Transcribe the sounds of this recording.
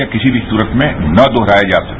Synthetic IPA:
jakɪsibʱisuːɾət̪ʰmẽnɐd̪oɦɾaːjad͡ʒaːsɐk

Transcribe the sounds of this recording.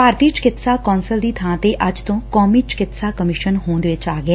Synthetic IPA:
paːɾt̪iːt͡ʃɪ̥kɪt̪saːkɔːnsəld̪iːt̪ʰãːt̪eːʔəd͡ʒt̪õːkɔːmiːt͡ʃɪ̥kɪt̪saːkəmɪʃənɦõːnd̪eːʋɪt͡ʃaːɡɛː

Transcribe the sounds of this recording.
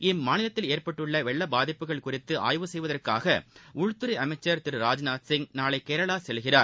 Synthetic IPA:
ɪmːaːnɪlɐt̪ːɪleːrpɐʈːɯɭːɐʋɛɭːɐbaːðɪpːɯɣɐɭkʊrɪt̪ːɯʔa̰ːjʋɯsɛjʋɐðɐrkaːɣɐʊɻt̪ːɯɾɐʔɐmɐɪt͡ʃːɐɾt̪ɪɾɯɾaːd͡ʒnaːsɪŋnaːɭɐɪkːeːɾɐɭaːsɛlɣɪraːɾ

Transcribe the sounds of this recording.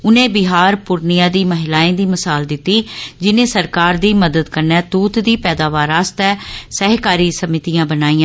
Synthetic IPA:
ʊnẽːbɪɦaːɾpʊɾnɪjãːd̪iːməɦɪlaːẽːd̪iːməsaːld̪ɪt̪ːiːd͡ʒɪnẽːsəɾkaːɾd̪iːməd̪əd̪kəɾnɛːt̪uːt̪d̪iːpɛːd̪aːʋaːɾaːst̪ɛːsɛɦkaːɾiːsəmɪt̪ijãːbənaːiːãː

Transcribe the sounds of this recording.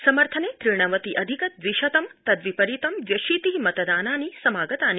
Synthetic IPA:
sɐməɾt̪ʰɐnet̪ɾiɳ̃ɐʋət̪iʔɐd̪ʱikət̪̚ʋiʃɐt̪ɐmt̪ɐd̪ʋipɐɾit̪ɐmʋjɐʃiːt̪iːmɐt̪d̪aːnanisɐmaːɡət̪ani

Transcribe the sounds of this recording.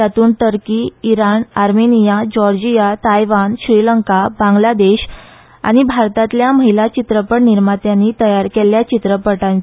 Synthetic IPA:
at̪uːnt̪əɾkiːɾanaɾmenijad͡ʑɔɾd͡ʑijat̪ajʋanɕɾiləŋkabãŋɡlad̪eɕ | a̰ɽ̃ibʱaɾt̪at̪ljaməɦilat͡ɕit̪ɾəpəɽniɾmat̪janːit̪əjaɾkeljat͡ɕit̪ɾəpəʈãn

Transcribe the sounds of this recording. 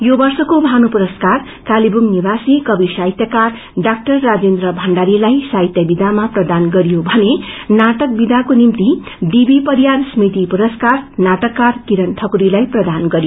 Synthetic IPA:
jobʌrsʌkobʱanupuɾʌskar | kalibumnibasikʌbisait̪jakar | ɖak̚ʈʌrːad͡zend̪ɾʌbʱʌɳɖaɾilajsait̪jʌbid̪ʱamaprʌd̪anɡʌɾjobʱʌnenaʈʌk̚bid̪ʱakonimt̪i | d̪ibipʌɾjansmit̪ipuɾʌskarnaʈʌkːarkiɾʌnʈʰʌkuɾilajprʌd̪anɡʌɾijo

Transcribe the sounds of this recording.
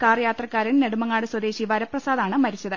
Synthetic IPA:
kaːrjaːt̪rɐkːaːɾinne̞ɽumɐŋːaːɽɨswɐd̪e̞ːɕiʋɐɾɐprɐsaːðaːɳɨmɐɾit͡ɕːɐðɨ

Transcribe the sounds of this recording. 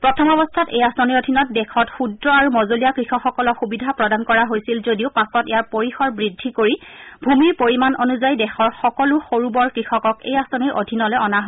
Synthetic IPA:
pɹɔtʰɔmɔbɔstʰatḛjasɔniɹodʱinɔt̚dɛkʰɔtxudɹɔaɹumɔzolijakɹixɔkxɔkɔlɔxubidʱapɹɔdankɔɹaɦojsilzodiʊpasɔtɛjaɹpoɹixɔɹbɹidʱːikoɹibʱumiɹpoɹimanonuzajdɛxɔɹxɔkɔlʊxoɹubɔɹkɹixɔkɔkḛjasɔniɹʔo̰dʱinɔlɛɔnaɦ

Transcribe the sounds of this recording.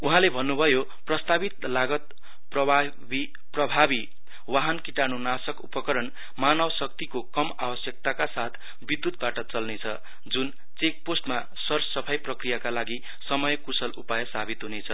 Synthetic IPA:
uɦãlebʱʌnːubʱʌjo | prʌst̪abit̪laɡʌt̪̚ | prʌb | bi | prʌbʱabi | waɦʌnkiʈanunasʌkupʌkʌɾʌn | manʌwsʌkt̪ikokʌmabʌsjʌk̚t̪akasat̪ʰ | bid̪ːut̪̚baʈʌt͡sʌlnet͡sʰʌ | d͡zun | t͡sek̚posʈma | sʌrsʌpʰajprʌkrijakalaɡi | sʌmʌjʌkusʌlupajʌsabʱit̪ɦunet͡sʰʌ

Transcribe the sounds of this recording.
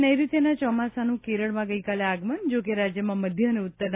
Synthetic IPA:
nəjɾit̪jenat͡ʃɔmasanũkeɾəɭmãɡəjkaleaɡmənd͡ʒokeɾad͡ʒjəmãməd̪ʱjəneut̪ːəɾn

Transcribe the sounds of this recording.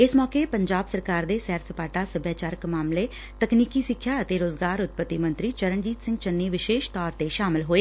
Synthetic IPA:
ɪsmɔːkeːpəɲd͡ʒaːbsəɾkaːɾd̪eːsɛːɾsəpaːʈaːsəbjaːt͡ʃaːɾəkmaːmleː | t̪əkniːkiːsɪkʰːjaːət̪eːɾoːzɡaːɾʊt̪̚pət̪ːiːmə̃nt̪ɾiːt͡ʃəɾəɳd͡ʒiːt̪sɪ̃ŋɡt͡ʃənːeːʋɪʃeːʃt̪ɔːɾt̪eːʃaːmɪlɦoːeː

